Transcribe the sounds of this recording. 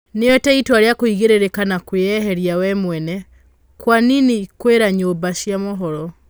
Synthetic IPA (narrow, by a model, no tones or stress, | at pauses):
neɛtɛitwaɾeakoiɣeɾeɾekanakweɛɦɛɾjawɛmwɛnɛ | kwaninikweɾaɲoːbaʃjamɔɦɔɾɔ